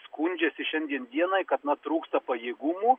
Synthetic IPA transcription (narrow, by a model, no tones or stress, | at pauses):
skunʲd͡ʒʲɛsʲɪʃʲɛnʲd̪ʲiɛnd̪ʲiɛnɐɪkɐt̪nɐt̪ɾuːkst̪ɐpɐjeːɡumuː